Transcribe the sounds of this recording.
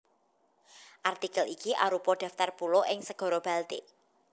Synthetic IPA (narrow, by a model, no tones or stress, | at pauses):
ʔart̪ikəlikiʔa̰ɾupɔɖ̥a̤ft̪arpuloʔɪŋsəɡ̥ɔ̤ɾob̥a̤lt̪ḭʔ